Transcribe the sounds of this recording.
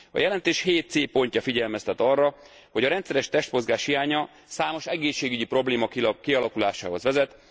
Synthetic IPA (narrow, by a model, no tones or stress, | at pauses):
ɒ̰jɛlɛnt̪eːʃheːt̪̚seːpo̞ɲcɒfiɟɛlmɛst̪ɛt̪ɒrːɒ | ho̞ɟɒɾɛnt̪sɛɾɛʃt̪ɛʃt̪mo̞zɡaːʃhijaːɲɒ | saːmo̞ʃɛɡeːʃːeːɡyɟipro̞bleːmɒkkiɒlɒkulaːʃa̰ːɦo̞zʋɛzɛt̪